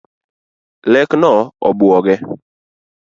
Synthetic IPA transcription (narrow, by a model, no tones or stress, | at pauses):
lɛknɔɔ̰bɔɡɛ